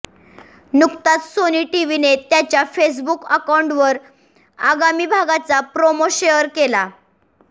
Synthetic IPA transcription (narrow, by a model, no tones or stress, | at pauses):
nukt̪at̪soniːʈiʋinet̪jat͡ɕjafes̬bukəkauɳʈʋəɾ | aɡamiːbʱaɡat͡sapɾomoɕejəɾkela